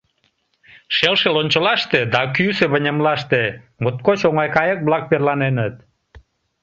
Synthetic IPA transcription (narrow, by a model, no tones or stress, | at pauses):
ʃelʃelonʲt͡ɕəlɑʃt̪ed̪ɑkyseβənʲəmlɑʃt̪e | mot̪̚kot͡ɕoŋɑjkɑjək̚βlɑk̚perlɑnenət̪̚